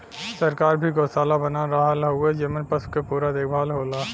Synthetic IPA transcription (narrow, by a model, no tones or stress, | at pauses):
səɾkaːɾbʱiɡoːsaːlabənaɾaɦlɦued͡ʒemənpəskepuːɾad̪eːkʰbʱaːlɦoːlaː